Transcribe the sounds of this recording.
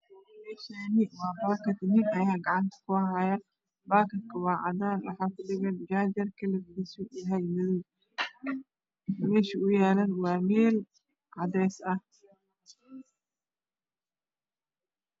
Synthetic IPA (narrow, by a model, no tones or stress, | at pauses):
mɛːʃanɪwɑːbaːkɐt̪nɪnɐjaːɡɑʕɑnt̪ʰɐ̥kʰʊɦaja | baːkɐt̪kʰɐwɑːʕɑ̰d̪aːnwɑ̰ħɑːkʊɖɪɣɐnd͡ʒaːd͡ʒɐrkʰɐlɐɡdɪsujɐɦɛjmɪðʊw | mɛːʃiʊjaːlɐnwɑːmɛːl | ʕɑd̪ɛːsɐh